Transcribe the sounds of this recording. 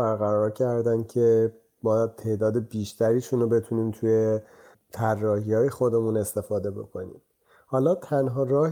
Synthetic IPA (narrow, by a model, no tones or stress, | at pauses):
æɾɣæɾɒːɾcʰæɾd̪æncʰe̞ | bɒːjæd̪̚t̪ʰe̞ʔd̪ɒːd̪e̞biːʃt̪ʰæɾiːʃuːnobe̞t̪ʰuniːnt̪ʰuje̞ | t̪ʰærːɒːhiːɒːje̞xo̞d̪e̞mune̞st̪e̞fɒːd̪e̞bo̞̰kʰo̞nḭːm | hɒːlɒːt̪ʰænɦɒːɾɒːh